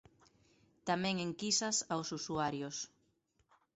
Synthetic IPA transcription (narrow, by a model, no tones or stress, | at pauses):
t̪amɛ̃ŋeŋkisɐsawsusuaɾjos